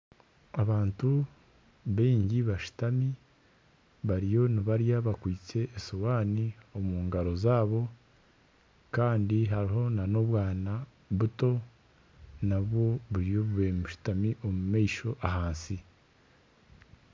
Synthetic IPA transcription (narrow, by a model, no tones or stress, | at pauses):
aβaːntu | βeːɲɟiβaʃu̥tami | βaɾijo̞niβaɾjaβakwiːt͡se̞ʔːsowaːnio̞muːŋɡaɾo̞zaːβo̞ | kaːndiɦaɾiɦo̞nano̞βwaːna | βuto̞ | naβwo̞βuɾijo̞βuβemuʃu̥tamiʔo̞mumeiʃo̞ʔaɦaːnsi